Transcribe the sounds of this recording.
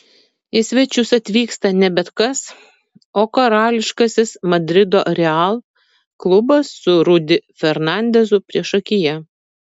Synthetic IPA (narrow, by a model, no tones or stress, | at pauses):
ɪsʲʋʲɛt͡ʃʲʊsɐt̪ʲʋʲiːkst̪ɐnʲɛbʲɛt̪kɐs | oːkɐɾɑːlʲɪʃkɐsʲɪsmɐd̪ʲɾʲɪd̪o̰ːɾʲɛɑlˠ | klˠʊbɐsːʊɾʊd̪ʲɪfʲɛɾnɑˑnʲd̪ʲɛzʊpʲɾʲiɛʃɐkʲɪjɛ